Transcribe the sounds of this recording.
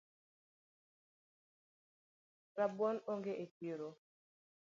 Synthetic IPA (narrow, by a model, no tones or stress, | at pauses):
ɾabɔnoŋɡeʔetiɾo